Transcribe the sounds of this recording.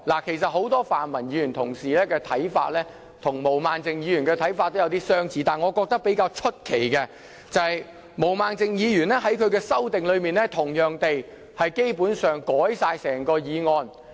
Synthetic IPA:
laː˨˩kʰe˨˩js̬ɐ˨t̚ho˨˥wt̪ɔː˥faː˨nmɐ˨˩njiː˨˧jyː˨˩nt̪ʰʊ˨˩ŋsiː˨lɛː˥kɛː˧t̪ʰɐ˨˥jfa̰ː˧˥t̚lɛː˥ | t̪ʰʊ˨˩ŋmo˨˩wmaː˨nt͡sɪ˨ŋjiː˨˧ɥy˨˩nkɛː˧t̪ʰɐ˨˥jfa˧t̪ːo˥wjɐ˨˧wt̪iː˥sœː˥ŋt͡siː˨˧˥t̪aː˨nŋɔː˨˧kɔː˧k̚t̪ɐ˥k̚pe˨˥jkaː˧wt͡ʃʰɵ˥t̚kʰe˨˩jkɛ˧ | t͡sɐ˨˧hɐ˨j | mo˨˩wmaː˨˩nt͡sɪ˨˧ŋjiː˨˧jyː˨˩nɛː˥hɐ˨˥jkʰɵ˨˧ɥkɛː˧sɐ˥wt̪ɪ˨ŋlɵ˨˧ɥmiː˨nlɛː˥t̪ʰʊ˨˩ŋjœː˨ŋt̪e˨j | hɐ˨jke˥jpuː˨˥nsœː˨ŋkɔː˨˥jsaː˧jsɛː˨˩ŋkɔː˧jiː˨˧ŋɔː˧n

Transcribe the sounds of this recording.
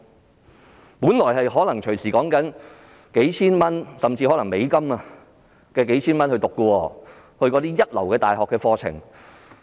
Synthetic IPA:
puː˨˥nlɔː˨˩jhɐ˨jɦɔː˨˥lɐ˨˩ŋt͡ʃʰɵ˨˩ɥsiː˨˩kɔː˨˥ŋkɐ˨˥n | ke˨˥jt͡sʰiː˥nmɐ˥nsɐ˨mt͡siː˧hɔː˨˥lɐ˨˩ŋme˨˧jkɐ˥ma˧ | kɛː˧k̬e˨˥jt͡sʰiː˥nmɐ˥nhɵ˧ɥt̪ʊ˨kːɔ˧wɔː˧ | hɵ˧ɥkɔː˨˥t̪iː˥jɐ˥t̚lɐ˨˩wkɛː˧t̪aː˨˩jhɔː˨kːɛː˧fɔː˧t͡sʰɪ̰˨˩ŋ

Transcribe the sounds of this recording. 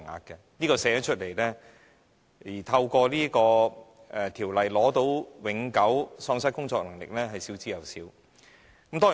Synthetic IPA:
ŋa̰ː˨˧t̚kɛ˧niː˥kɔː˧sɛː˨˥t͡ʃʰɵ˥t̚le˨jlɛː˥ | iː˨˩t̪ʰɐ˧wkɔː˧liː˥kɔː˧ | ɛ˨˩t̪ʰiː˨˩wlɐ˨jlɔː˨˥t̪o˨˥wwɪ˨˥ŋkɐ˨˥wsɔː˧ŋsɐ˥t̚kʊ˥ŋt͡sɔː˧k̚lɐ˨˩ŋlɪ̰˨k̚lɛː˥ɦɐ˨jsiː˨˥wt͡siː˧˥jɐ˨wsiː˨˥w | kɐ˨mt̪ɔː˥ŋ˨

